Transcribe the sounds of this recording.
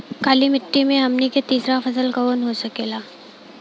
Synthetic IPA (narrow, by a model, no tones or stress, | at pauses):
kaːlimɪʈːimẽɦɐmniket̪iːsɾafɐsəlkɐoːnɦosɐkeːlaː